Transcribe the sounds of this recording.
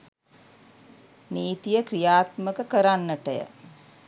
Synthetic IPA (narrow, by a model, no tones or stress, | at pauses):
niːt̪ijəkrijaːt̪məkəkəɾanːəʈəjə̰